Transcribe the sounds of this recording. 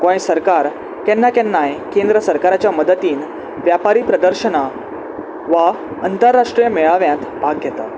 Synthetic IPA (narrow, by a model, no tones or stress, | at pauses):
kõĩsəɾkaɾ | kɛ̃nːakɛ̃nːajkẽnd̪ɾəsəɾkaɾat͡ɕjaməd̪ət̪iːn | ʋjapaɾiːpɾəd̪əɾɕəna | ʋa | ənt̪əɾːaʂʈɾijəmɛɭaʋjãnt̪bʱaɡːʱjɛt̪a